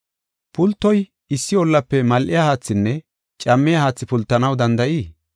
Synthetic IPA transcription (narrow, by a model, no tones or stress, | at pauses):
pʊlt̪ːɔj | ɪsːɪɔlːɐpːɛmɐlʔɪjaːhaːt͡sːɪnːɛ | t͡ʃʼɐmːɪjahaːt͡sːɪpʊlt̪ːɐnɐwd̪ɐnd̪ɐʔiː